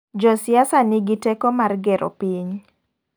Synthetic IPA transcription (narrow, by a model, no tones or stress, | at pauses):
d͡ʒɔsɪjasanɪɡɪtɛkomarɡɛɾo̰piɲ